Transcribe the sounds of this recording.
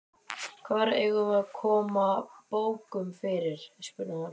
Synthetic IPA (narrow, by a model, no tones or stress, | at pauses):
kʰvaːɾɛɣʏmaðkʰɔːmapoːwkʏmfɪɾɪɾ̥spʏnːaan